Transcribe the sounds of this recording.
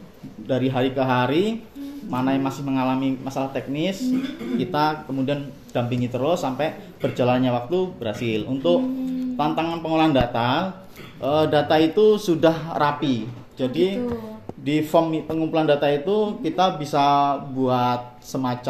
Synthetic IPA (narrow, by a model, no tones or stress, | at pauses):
daɾiɦaɾikəɦaɾimanajaŋmasɪhməŋalamimasalaht̪ɛk̚nɪskit̪akəmudian | d̥ampɪŋit̪ərlosampɛ | b̥ərd͡ʒalanɲawak̚t̪ubəɾɦasɪlunt̪ʊk̚t̪ant̪aŋanpəŋolandat̪a | ʔədat̪ait̪usudahrapi | d͡ʒadi | difɔmpəŋumpulandat̪ait̪ukit̪abisabuat̪̚səmat͡ʃa